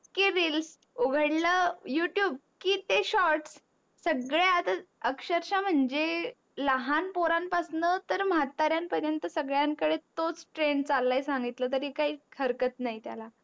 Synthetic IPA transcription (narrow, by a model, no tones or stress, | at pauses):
kiɾils | uɡʱəɽləjuʈjuːb̚kiːt̪eɕɔɾʈsː | əɡɭeat̪aəkɕəɾɕam̤əɳd͡ʑe | ləɦanpoɾanpasnət̪əɾm̤at̪ːaɾjampəɾjənt̪əsəɡɭjaŋkəɽet̪ot͡sʈɾeɳɖt͡salːajsãŋɡit̪lət̪̬əɾikaɦiːkʰəɾkət̪naɦjt̪ja̰la